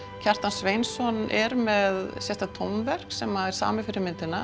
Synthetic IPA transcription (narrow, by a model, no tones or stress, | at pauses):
cʰar̥t̪ansveːjnsɔnɛɾmɛðsjɛht̪at̪ʰɔwmvɛr̥ksɛmaðɛɾ̥sa̰ːmɪfɪɾɪɾmɪnt̪ɪna